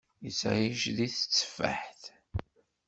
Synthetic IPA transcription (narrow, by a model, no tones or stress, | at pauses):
jəsʕiʒðiθə̥t͡sːə̥fːa̰ħθ